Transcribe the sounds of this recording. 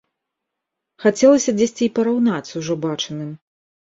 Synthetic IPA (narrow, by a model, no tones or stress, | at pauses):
xat͡sʲɛlˠɐsʲɐd͡zʲesʲt͡sʲiipɐɾawn̪at͡sʲuwʐɔbat͡ʂɨnɨm